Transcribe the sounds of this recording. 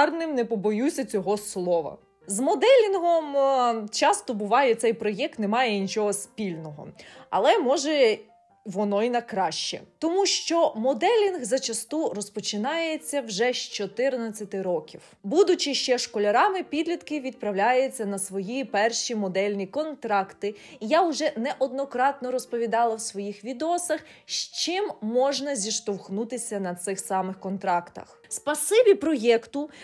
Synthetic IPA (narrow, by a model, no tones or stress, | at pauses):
rnɪmnɛpɔbɔjusʲɐt͡sʲɔɦɔslˠɔʋɐ̰ | zmɔd̪ɛlʲinɦɔmt͡ʃɑst̪ɔbʊʋɑjɛt̪sɛjpɾɔjɛk̚t̪nɛmɑjɛnʲit͡ʃɔɦɔspʲilʲnɔɦɔ̰ɐ̰lˠɛmɔʒɛ | ʋɔnɔinɐkɾɑʃt͡ʃɛ̰t̪ɔmuʃt͡ʃɔmɔd̪ɛlʲinɣzɐt͡ʃɐst̪uɾɔspɔt͡ʃɪnɑjet͡sʲːɐwʒɛʃt͡ʃɔt̪ɪrnɐt͡sʲːɐt̪ɪɾɔkʲiw | bud̪ʊt͡ʃɪʃt͡ʃɛʃkɔlʲɐɾɑmɪpʲid̪lʲit̪kɪʋʲid̪̚pɾɐwlʲajet͡sʲːɐnɐsʋɔjipɛrʃimɔd̪ɛlʲnʲikɔnt̪ɾɑkt̪ɪjaʊʒɛnɛʔɔd̪nɔkɾɑt̪̚nɔɾɔspɔʋʲid̪ɑlˠɐwsʋɔjixʋʲid̪eɔsɐx | ʃt͡ʃɪmːɔʒnɐzʲiʃt̪ɔwxnut̪ɪsʲɐnɐt̪sɪxsɑmɪxkɔnt̪ɾɑkt̪ɐ̰x | spɐsɪbʲipɾɔjɛkt̪ʊ